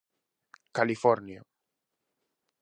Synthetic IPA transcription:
kalifɔɾnja

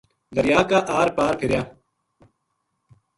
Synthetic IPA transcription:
d̪əɾjaːkaːʔaːɾpaːɾpʰɪɾjaː

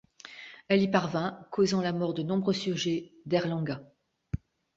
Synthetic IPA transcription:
ɛlipaʁvɛ̃kʰozɑ̃lamɔʁd̪ənɔ̃bʁøsyʁʒed̪ɛʁlɑ̃ɡa

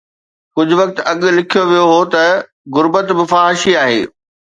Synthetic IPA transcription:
kʊd͡ʑʱʊʋɐk̚t̪̆ɐɠ̆lɪkʰijoʋijoɦot̪ɐ | ɣʊɾbət̪bɪfaːɦɪʃiaːɦḛː

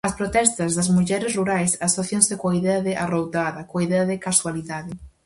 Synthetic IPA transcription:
ɐspɾot̪ɛst̪ɐzðɐzmuʎɛɾɪsruɾajsasoθjonsɪkoɐiðɛɐðɪʔarowt̪aðɐkoaiðɛɐðɪkaswaliðaðɪ

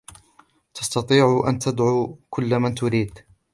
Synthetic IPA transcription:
t̪ɑ̥st̪ɑt̪ˤiːʕʔa̰nt̪ad̪ʕuːkʰʊlːmant̪ʊɾiːd̪

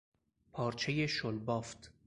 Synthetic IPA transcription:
pʰɒːɾt͡ʃʰe̞je̞ʃolbɒːft̪ʰ

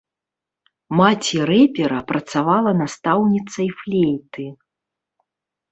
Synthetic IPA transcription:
mat͡sʲiɾɛpʲɛɾɐpɾɐt̪savalˠɐnast̪awnʲit̪sɐjflʲejt̪ɨ

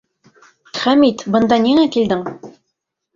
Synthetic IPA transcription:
χæmit̪bɤ̆nd̪ɑniŋækild̪ɘŋ

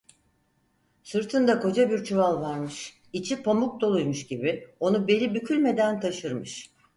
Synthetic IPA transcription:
sɯɾt̪ʰɯnd̪ako̞d͡ʒabiɾt͡ʃʰuvalˠvaɾmɯʃ | it͡ʃʰipʰomuk̚d̪olˠujmuʃɟibio̞nube̞lʲibycʰylʲme̞d̪ænt̪ʰaʃɯɾmɯʃ

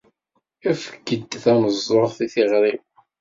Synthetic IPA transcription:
æfə̥ɡːəd̪θæməzˤːoɾˤθiθiʁɾi

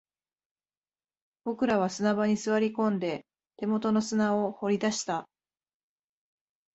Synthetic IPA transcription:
b̥o̞kɯ̟ɾaβ̞asɨnabaɲ̟isɨβaɾʲikõ̞nd̪e̞ | t̪e̞mo̞t̪o̞no̞sɨnaoho̞ɾʲid̪aɕi̥t̪a

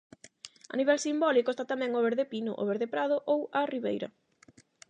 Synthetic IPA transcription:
ɐ̰niβɛlsimbɔlikoest̪at̪amɛ̃ŋoβeɾðepinʊ̰ʔo̰βeɾðepɾaðʊʔowɐriβḛjɾɐ̰

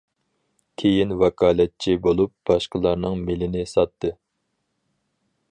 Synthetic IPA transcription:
kʲʰejinwɛkʰɑːlˠɛt̪̚t͡ʃʰibolˠup̚b̥ɑʃqəlˠɑɾnɨŋmɪlɪnɪsɑt̪ʰːɨ

